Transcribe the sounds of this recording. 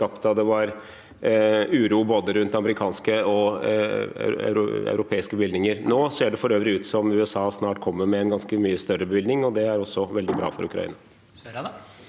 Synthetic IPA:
kɑpt̪ɑd̪ɛʋɑɾ | ʉːɾuːboːd̪əɾʉnt̪ɑməɾɪkʰɑːnskəɔ̰ | ʉɾæ̰ʉɾʊpʰeːɪskəbʋɪld̪nɪŋəɾnoːseːɖɛfɔɾøːʋəɾɪʉːt̪sɔmʉːɛsɑːsnɑːʈkʰɔmːəɾmɛɛnɡɑnskəmyːəst̪œrəbəʋɪld̪nɪŋɔd̪ɛæɾɔsːɔʋɛld̪ɪbɾɑ̰ːfɔɾʉkɾɑ̰ḭːnɑ

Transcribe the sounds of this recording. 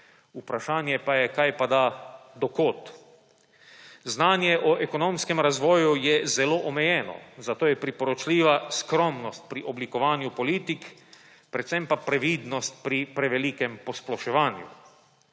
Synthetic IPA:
upɾaʃaːnjɛpajɛkajpad̪ad̪ɔkoːt̪ | znaːnjɛʔɔʔɛkɔnomskɛmɾazʋɔːjujɛzɛloːʔɔmɛjɛːnɔ̰zat̪oːjɛpɾipɔɾɔt͡ʃliːʋaskɾɔmnɔst̪̚pɾiʔɔblikɔʋaːnjupɔliːt̪ik | pɾɛt̪sɛmpapɾɛʋiːd̪nɔst̪̚pɾipɾɛʋɛliːkɛmpɔsplɔʃɛʋaːnjṵ

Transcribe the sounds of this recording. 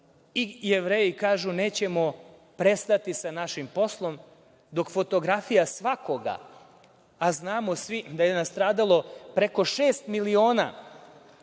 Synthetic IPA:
ijeʋɾeːjikaːʒune̞ːt͡ɕemo̞ | pɾe̞st̪at̪isanaʃimpo̞slˠo̞m | d̪o̞kfo̞t̪o̞ɡɾafijasʋakoɡa̰ | aznaːmosʋid̪ajenast̪ɾaːd̪alˠo̞pɾe̞ko̞ʃeːst̪milioːna̰ː

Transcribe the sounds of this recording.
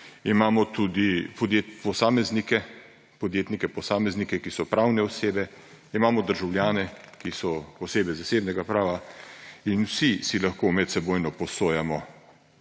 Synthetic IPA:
imaːmɔt̪ud̪ipɔd̪jepɔsaːmɛznikɛ | pɔd̪jeːt̪nikɛpɔsaːmɛznikɛkisɔpɾawnɛɔseːbɛ | imaːmɔd̪əɾʒawljaːnɛkisɔɔseːbɛzaseːbnɛɡapɾaːʋa | inwsisilaxkomɛt̪sɛboːjnɔpɔsoːjamɔ

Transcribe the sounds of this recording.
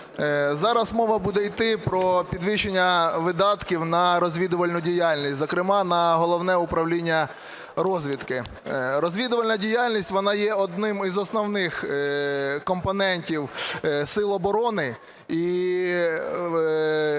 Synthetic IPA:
zɑɾɐsmɔʋɐbud̪ɛjt̪ɪpɾɔpʲid̪ʋɪʃenʲːɐʋɪd̪ɑt̪kʲiwnɐɾɔzʲʋʲid̪ʊʋɐlʲnʊdʲijalʲnʲistʲzɔkɾɪmɑnɐɦɔlˠɔwnɛʊpɾɐwlʲinʲːɐ | ɾɔzʲʋʲid̪kɪ | ɾɔzʲʋʲid̪ʊʋɐlʲnɐdʲijalʲnʲisʲtʲʋɔnɑjɛɔd̪nɪmizɔsnɔwnɪx | kɔmpɔnɛnʲtʲiwsɪlˠɔbɔɾɔnɪ | i

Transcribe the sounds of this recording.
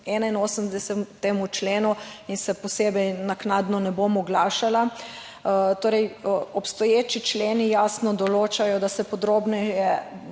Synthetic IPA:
ɛːnainoːsəmd̪ɛsɛt̪ːeːmut͡ʃleːnuinsɛpɔseːbɛjnaknad̪nɔnɛbomɔɡlaːʃala | t̪oːɾɛjɔpst̪ɔjeːt͡ʃit͡ʃleːnijaːsnɔd̪ɔloːt͡ʃajɔd̪asɛpɔd̪ɾoːbnɛjɛ

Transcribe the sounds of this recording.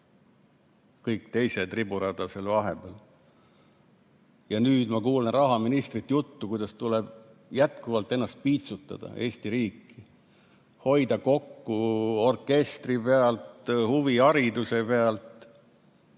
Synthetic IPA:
kɤjkt̪e̞jse̞t̪ribuɾɑd̪̥ɑse̞lvɑɦe̞b̥el | jɑnyːd̪̥mɑkuːlenrɑɦɑminist̪rit̪ːjut̪ːukujd̪̥ɑst̪uleb̥ | jæt̪̚kuvɑlt̪ːˑe̞nːɑst̪̚piːt̪sut̪ːˑɑ̰d̪̥ɑ̰ʔe̞ːst̪iɾiːkːˑi̥ | ho̞jd̪̥ɑko̞kːuo̞rkːe̞st̪ripe̞ɑlt̪huviɑɾid̪use̞pe̞ɑlt̪

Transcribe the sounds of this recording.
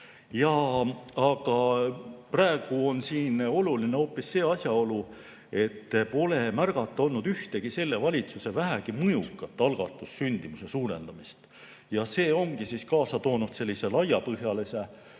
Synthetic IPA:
jɑ | ɑɡ̥ɑpræeɡ̥uo̞nsiːno̞lulineo̞ːpːˑisːe̞ːɑsʲjɑo̞lu | e̞t̪ːpo̞le̞mærɡ̥ɑt̪ːˑo̞lnud̪yht̪e̞ɡ̥ise̞lːe̞vɑlʲit̪suse̞væɦæɡ̥imɤjukːˑɑt̪ːˑɑlɡ̥ɑ̰t̪ːˑusːynd̪̥imusesuːɾe̞̰nd̪̥ɑmist̪ | jɑse̞ːo̞ŋɡ̥isiskɑːsɑt̪o̞ːnud̪̥se̞lʲːise̞lɑjɑpɤɦjɑlese

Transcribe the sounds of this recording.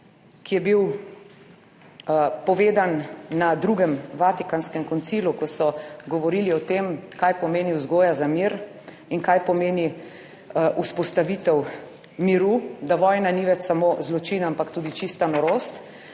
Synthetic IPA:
kijɛbiw | pɔʋeːd̪anːad̪ɾuɡɛmʋaːt̪ikanskɛmkɔnt̪siːlukɔsɔɡɔʋɔɾiːliɔt̪emkajpɔmeːniwzɡoːjazamiɾ | iŋkajpɔmeːni | ʔuspɔst̪aʋit̪ɛw | miɾud̪aʋɔːjnaniʋɛt͡ʃsamozlɔt͡ʃiːnampakt̪uːd̪it͡ʃist̪anɔɾost̪

